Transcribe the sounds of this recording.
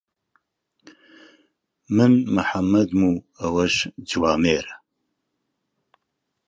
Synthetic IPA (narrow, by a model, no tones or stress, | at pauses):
mɨnmɨħamɐd̪muː | ɐwɐʃd͡ʒwaːmeːɾɐ